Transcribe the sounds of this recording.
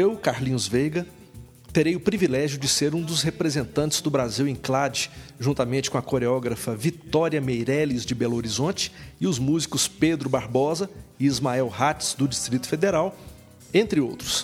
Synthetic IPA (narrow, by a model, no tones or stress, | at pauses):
ewkaɾlĩɲʊzvejɡɐ | t̪eɾejʊpɾivilɛʒjʊd͡ʒɪseɾũd̪ʊshepɾezẽnt̪ɐ̃t͡ʃɪ̥z̥d̪ʊbɾaziwẽj̃klad͡ʒɪʒũnt̪amẽnt͡ʃɪ̥kõɐkoɾeɔɡɾɐfɐvit̪ɔɾiɐmejɾɛlizd͡ʒɪbɛloɾizõnt͡ʃɪ̥ɪʊzmuzikʊsped̪ɾʊbaɾbɔzɐɪizmaɛwhat͡ʃɪ̥sd̪ʊd͡ʒist̪ɾit̪ʊ̥fed̪eɾaw | ẽnt̪ɾɪowt̪ɾʊs